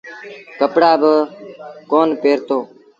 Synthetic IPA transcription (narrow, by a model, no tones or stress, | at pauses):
kəpɽaːbə | koːnpeːɾt̪oː